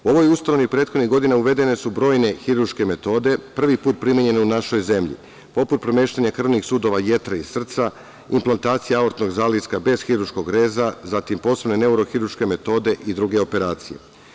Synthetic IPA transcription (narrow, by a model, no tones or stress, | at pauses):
uo̞ʋo̞just̪anoʋipɾe̞ːt̪xo̞d̪niɣɡo̞d̪inauʋe̞d̪e̞ne̞subɾo̞ːjne̞xiɾuɾʃke̞me̞t̪o̞ːd̪e̞pr̩ʋipuːt̪̚pɾimjeɲe̞neunaʃo̞jze̞mʎḭ | po̞put̪̚pɾo̞me̞ːʃt̪aɲakr̩ʋnixsuːd̪o̞ʋaje̞t̪ɾaisr̩t̪sa | implˠant̪aːt̪sijeaoɾt̪no̞ɡzaːliskabe̞z̥xiɾuɾʃko̞ɡɾe̞ːzazat̪impo̞ːse̞bne̞ne̞uɾo̞xiɾuɾʃke̞me̞t̪o̞ːd̪e̞ʔid̪ɾuɡe̞o̞pe̞ɾaːt̪sije̞̰